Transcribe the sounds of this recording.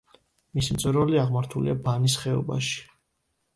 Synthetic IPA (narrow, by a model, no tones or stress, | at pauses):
misimt̪sʼɛɾvɛliaʁmaɾt̪ʰulḭabanisχɛɔ̰ba̰ʃi̥